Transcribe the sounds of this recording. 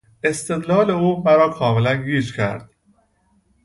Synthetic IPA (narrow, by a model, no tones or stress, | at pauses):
e̞st̪e̞d̪lɒːle̞uːmæɾɒːkʰɒːmelænɡiːd͡ʒcʰæ̰ɾd̪̥̚